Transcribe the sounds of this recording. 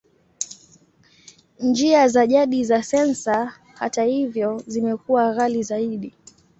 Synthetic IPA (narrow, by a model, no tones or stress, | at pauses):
nd͡ʒiazaʄaɗizasɛnsa | ha̰tahivjɔzimɛkuwaɣalizaiɗi